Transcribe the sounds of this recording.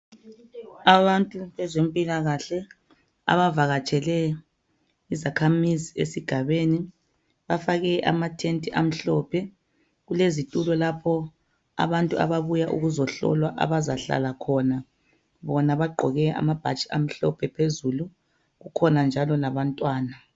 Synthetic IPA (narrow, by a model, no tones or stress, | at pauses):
aβantʼuβɛzempʼilaɣaɬɛ | a̰βavaɣat͡ʃʰʼɛlɛ | izakʰamiziḛsiɡ̥ʱaβeni | βafaɣɛʔa̰matʰentʼiʔam̩ɬɔpʰɛ | ɣulezitʼulɔlapʰɔ | a̰βantʼua̰βaβujaʔṵɣuzɔɬɔ̰lwaʔa̰βazaɬa̰lakʰɔna | βɔnaβaɡ͡ǃʱɔɣɛa̰mab̥ʱat͡ʃʼi̥am̩ɬɔ̰pʰɛpʰezulu | ɣukʰɔnand͡ʒʱalɔlaβantʼwaːna